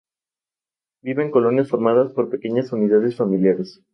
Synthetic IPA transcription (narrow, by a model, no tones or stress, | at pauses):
biβeŋko̞lo̞njasfo̞ɾmaðaspo̞ɾpe̞ke̞ɲasuniðað̞esfamiljaɾes